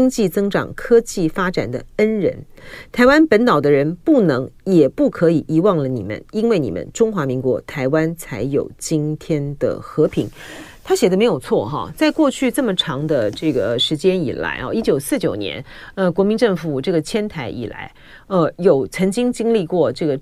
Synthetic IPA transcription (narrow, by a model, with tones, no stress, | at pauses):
t͡ɕŋt͡ɕi˥˩t͡sɤ˥ŋʈ͡ʂɑ̰˨˩ŋkʰɤ˥t͡ɕi˥˩fa˥ʈ͡ʂa̰˨˩nd̪ə̰˦ə˥nɻə̰˧˥n | t̪ʰa˧˥ɪwa˥npə˧˥nt̪ɑ˨˩ʊd̪ə˦ɻə˧˥npu˥˩nɤ˧˥ŋjɛ˨˩pu˥˩kʰɤ˧˥i˨˩ʔi˧˥wɑ˥˩ŋlə˩nḭ˨˩mə̰˦ni˥nwe˥˩ɪni˨˩mə̰˦nʈ͡ʂʊ˥ŋxwa˧˥mi˧˥ŋkwɔ̰˧˥t̪ʰa˧˥ɪwa˥nt͡sʰa˧˥ɪjo̰˨˩ʊt͡ɕi˥nt̪ʰjɛ˥nd̪ə̰˨xɤ˧˥pʰi˧˥ŋt̪ʰa˥ɕjɛ˨˩ə˦me˧˥ɪjo˨˩ʊt͡sʰwɔ˥˩xɑ̰˧˩t͡sa˥˧ɪkwɔ˥˧t͡ɕʰy˥˧t͡sɤ˥˩mə˩ʈ͡ʂʰɑ˧˥ŋd̪ə˧ʈ͡ʂɤ˥˩ɡə˩ʂɻ̩˧˥t͡ɕjɛ˥ni˨˩la̰˧˥ɪɑ̰˧i˥t͡ɕjo˨˩ʊsɹ̩˥˩t͡ɕjo˨˩ʊnjɛ̰˧˥nə˧kwɔ˧˥mi˧˥nʈ͡ʂɤ˥˩ŋfu˨˩ʈ͡ʂɤ˥˩ɡə˩t͡ɕʰjɛ˥nt̪ʰa˧˥ɪʔḭ˨˩la̰˧˥ɪ | ə˧jo˨˩ʊt͡sʰɤ˧˥ŋt͡ɕi˥ŋt͡ɕi˥ŋli˥˧kwɔ˥˧ʈ͡ʂɤ˥˩ɡə˩